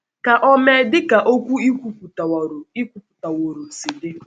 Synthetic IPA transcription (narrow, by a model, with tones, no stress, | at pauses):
ka˨ʔɔ˦me˨dɪ˦ka˨ʔo˦kʷu˦i˦kʷu˨pu˨ta˨ɔ˨ɾʊ˨i˦kʷu˨pu̥˨ta˨wo˨ɾo˨n̩˨sɪ˨dɪ˦